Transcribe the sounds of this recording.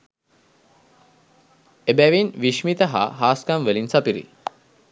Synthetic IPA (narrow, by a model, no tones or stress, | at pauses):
ebæʋinʋiʃmit̪əɦa̰ːɦaːskamʋelinsapiɾḭ